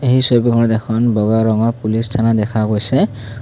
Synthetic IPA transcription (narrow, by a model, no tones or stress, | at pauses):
eɦisobikʰɔnɔd̪ekʰɔnbɔɡaɹɔŋɔpulist̪ʰanad̪ɛkʰaɡojse